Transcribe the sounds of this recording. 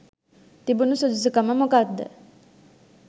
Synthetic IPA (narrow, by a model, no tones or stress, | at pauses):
t̪ibunusud͡ʒusukəməmokad̪ːə̰